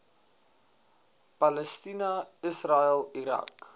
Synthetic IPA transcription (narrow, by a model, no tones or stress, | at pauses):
pɐləstinɐəsraəlˠiɾɐ̰k